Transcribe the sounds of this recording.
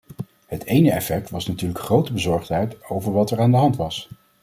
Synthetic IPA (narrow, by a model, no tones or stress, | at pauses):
ɦətejnəɛfɛk̚tʋɑsnatyːɹləkχrowtəbəzɔɹχtɦɛjtowvəɹʋɑtɛɹaːndəɦɑntʋɑs